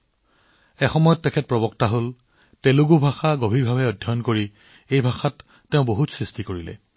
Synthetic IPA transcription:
ɛxɔmɔjɔtːɛkʰɛt̚pɹɔbɔktaɦol | tɛluɡubʱaxaɡobʱiɹbʱabɛɔdʱjɔɔnkoɹi | ejbʱaxatː | eʊ̃boɦutsɹistikoɹilɛ̰

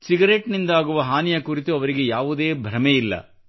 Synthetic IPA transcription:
siɡɐɾeʈnind̪ɐaːɡuʋɐɦaːnijɐkuɾit̪uɐʋɐɾiɡe̞jaːʋud̪e̞ːbʱɾɐmeilːɐ̰

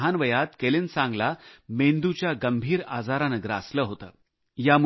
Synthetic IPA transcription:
ɦanʋəjat̪kelinsãŋɡlamend̪ut͡ɕjaɡəmbʱiːɾa̰d͡zaɾanəɡɾa̰sləːɦot̪ə̰ː | jamu

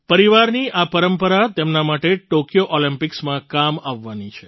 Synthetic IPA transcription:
pəɾiʋaɾniʔapəɾəmpəɾat̪emnamaʈeʈokijoʔɔlimpɪksmãkamaʋːanit͡ʃʰe

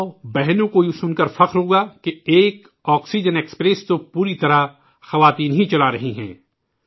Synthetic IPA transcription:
bɛɦnõkojusʊnkɐɾfɐqɾɦoɡakeeːk | ɔːksid͡ʒənekspɾest̪opuːɾit̪ɐɾa | xɐʋaːt̪iːnɦit͡ʃɐlaɾɐɦiɦɛ̰̃ː

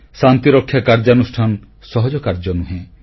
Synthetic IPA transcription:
sant̪iɾɔkʰːjakaɾd͡ʒanusʈʰanɔ | sɔɦɔd͡ʒɔkaɾd͡ʒɔnuɦẽ

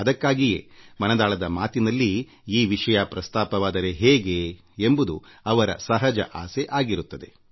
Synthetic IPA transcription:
ɐd̪ɐkːaːɡijḛːmɐnɐd̪aːɭɐd̪ɐmaːt̪inɐlːi | iːʋiʂɐjɐpɾɐst̪aːpɐʋaːd̪ɐɾe̞ɦeːɡeː | mbud̪uɐʋɐɾɐ̰sɐɦɐd͡ʒɐ̰ʔaːseʔaːɡiɾut̪ːɐd̪e̞̰

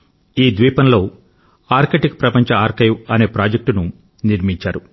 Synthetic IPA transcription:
iːd̪ʋiːpɐnlo̞ː | aːɾkeːʈikpɾɐpɐɲt͡ʃɐaːɾkɐjʋɐne̞ːpɾaːd͡ʒek̚ʈunu | niɾmiɲt͡ʃaːɾu

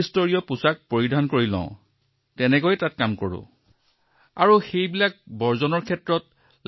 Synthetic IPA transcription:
istoɹijɔpusak̚poɹidʱankoɹilɔ̰̃ʊ̃ | tɛnɛkojtat̚kamkoɹʊ̰̃ | a̰ɹuxejbilak̚bɔɹzɔnɔɹkʰɛtɹɔt | l

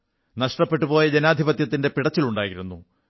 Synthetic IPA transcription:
nɐʂʈɐpːe̞ʈːupo̞ːjɐd͡ʑenaːd̪ʱibɐt̪jɐt̪ːinde̞piɽɐt͡ɕːiluɳɖaːjiɾunːu

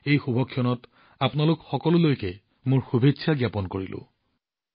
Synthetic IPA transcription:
ejxubʱɔkʰːijɔnɔt | apnalʊkxɔkɔlʊlojkɛ | mʊɹxubʱetːsʰaɡjapɔnkoɹilʔʊ̰̃

